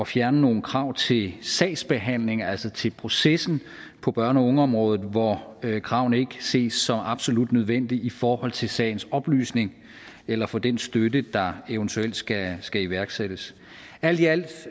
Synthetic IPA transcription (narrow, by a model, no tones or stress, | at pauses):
ɒ̽fjæɐnəno̝ːn̩kʰʁɑ̈ʊ̰t͡sʰe̝lsɛ̰ɪsb̥e̝ɦæn̰le̝ŋæl̰sɐt͡sʰe̝lpʰʁo̝sesn̩ | pʰɒ̽b̥ɶɐnəɔ̽ŋəɒ̽mʁɔ̽ːð̞ˠð̩ˠʋɒkʰʁɑ̈ʊ̰n̩e̝ɡ̥əse̝̰ːsːɒ̽mɑ̈b̥so̝lud̥nøð̞ˠʋen̰d̥iifɒːhɒ̽l̰t͡sʰe̝sɛ̰ɪn̩sɒ̽b̥ly̰ːsne̝ŋ | elɐfɒ̽d̥ensd̥ødəd̥ɑ̈e̝ʊnt͡sʰuel̰d̥sɡ̥æsɡ̥æiʋæɐɡ̥sed̥əs | æl̰d̥iæl̰d̥